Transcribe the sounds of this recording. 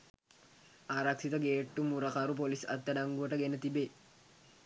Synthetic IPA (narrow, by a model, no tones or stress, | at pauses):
ʔaːɾɐksɪt̪ɐɡeːʈːumːuɾɐkɐɾup̬ɔlɪsɐt̪ːɐd̪ɐŋɡuɐʈɐɡenːɐt̪ɪbeː